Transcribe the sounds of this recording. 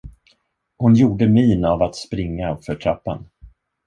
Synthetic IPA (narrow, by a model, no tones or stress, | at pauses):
hʊnjuːɖəmiːnavat̪spɾɪŋːafœʈʰɾapːa̰n